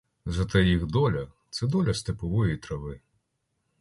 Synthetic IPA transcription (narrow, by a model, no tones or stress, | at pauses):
zɐt̪ɛjiɣd̪ɔlʲɐt̪sɛd̪ɔlʲɐst̪epɔʋɔjit̪ɾɐʋɪ